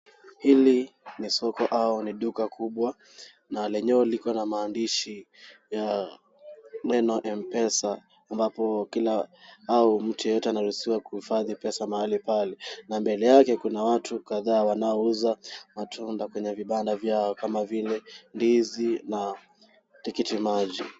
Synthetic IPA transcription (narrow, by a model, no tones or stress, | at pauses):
hilinisɔkɔʔauniɗukakʰuɓwa | nalɛɲɛɔlikɔnamaːndiʃi | ja | mɛnɔʔɛmpɛsaː | mbapɔkilaaum̩tujɔjɔtɛanaɾusiwakuhifaðipɛsamaalipalɛnambɛlɛjakɛkunawatʰukaðaːwanaɔuzamatʰundakwɛɲɛviɓandavjaɔkamavilɛndizina | tikitimaʄi